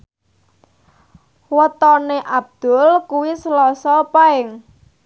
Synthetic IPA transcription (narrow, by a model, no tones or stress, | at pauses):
wət̪ɔneʔab̚d̪̥ʊ̤lkuwisəlɔsɔpaɪŋ